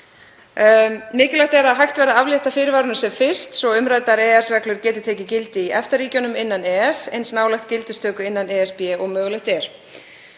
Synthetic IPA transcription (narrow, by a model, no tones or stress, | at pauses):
mɪːcɪlajht̪ɛɾaðɦajxt̪vɛɾðaavljɛht̪afɪːɾɪvaːɾʏnʏsɛmfɪr̥st̪sɔʏmɾajt̪aɾɛːɛsrɛklʏɾ̥cɛːt̪ʏ̥t̪ʰɛːcɪcɪlt̪ɪiʔɛft̪aɾriːcɔnʏmɪnːanɛːɛsɛ̰jnsnaːwlɛxt̪cɪlt̪ʏst̪ʰœːkʏɪnːanɛːɛspɛːɔɣmœːɣlɛxt̪ɛɾ̥